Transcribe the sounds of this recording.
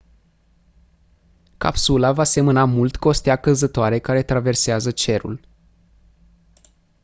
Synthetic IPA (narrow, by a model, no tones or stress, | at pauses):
ka̰psulavase̞mənamult̪ko̞st̪eakəzət̪oaɾe̞kaɾe̞t̪ɾave̞rseazət͡ʃe̞ɾṵl